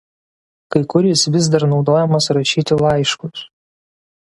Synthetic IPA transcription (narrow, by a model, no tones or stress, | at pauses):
kɐɪkʊɾʲɪsʋʲɪz̬d̪ɐɾnɒʊd̪oːjɛmɐsɾɐʃʲiːt̪ʲɪlˠɐˑɪʃkʊs